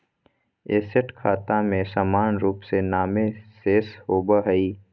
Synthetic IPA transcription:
eːsəʈkʰaːt̪amẽsaːmaːnɾuːpsenaːmẽseːshoːbaɦəiː

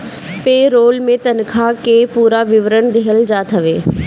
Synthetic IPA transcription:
peːɾoːlmẽt̪ɐn̆kʰãːkeːpuːɾaʋɪʋɾəɽ̃d̪ʱeɦəld͡ʑaːt̪ʰɐʋeː

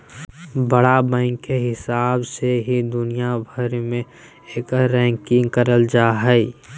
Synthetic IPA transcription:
bəɽabə̃ɪŋkːeɦɪsaːbseɦid̪ʊnijabʱəɾmẽ | eːkɾɛ̃ŋkɪ̃ŋɡkəɾəld͡ʒaːɦɛi

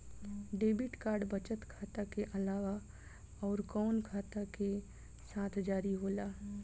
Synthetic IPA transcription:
ɖeːbɪʈkaːɾɖbət͡ʃət̪kʰaːt̪akeʔɐlaːʋa | ɔːɾkɔːnkʰaːt̪ake | saːt̪ʰd͡ʒaːɾiɦoːlaː

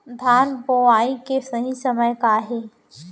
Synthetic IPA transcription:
d̪ʱaːnboːaːĩkesɐɦĩsɐməjkaːɦeː

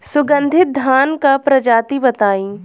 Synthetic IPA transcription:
sʊɡə̃nd̪ʱɪt̪̚d̪ʱaːnkapɾɐd͡ʒaːt̪ibɐt̪aːĩː

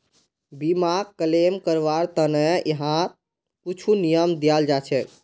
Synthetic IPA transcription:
bimaɡkəlemkəɾʋaɾt̪ənɛjəɦã | put͡ʃʰunijəmd̪ijald͡ʒat͡ʃʰɛ

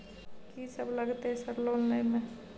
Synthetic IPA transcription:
kisəbləɡt̪eɦɛ̃səɾloːlnəimẽ

